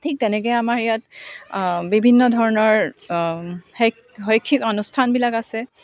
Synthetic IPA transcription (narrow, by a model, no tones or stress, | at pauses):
tʰik̚tɛnɛkɔjamaɹijat | bibʱinːɔdʱɔɹɔnɔɹ | he | ɦojkʰːikɔnustʰanbilakasɛ